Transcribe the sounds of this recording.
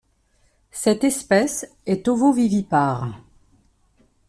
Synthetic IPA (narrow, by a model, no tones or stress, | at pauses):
sɛt̪ɛspɛs | ɛt̪ovovivipaʁ